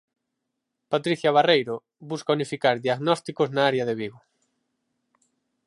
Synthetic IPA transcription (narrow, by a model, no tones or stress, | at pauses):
pat̪ɾiθjaβ̞arejɾʊ | βuskaunifikaɾðiaɣnɔst̪ikoznaaɾjaðeβiɣo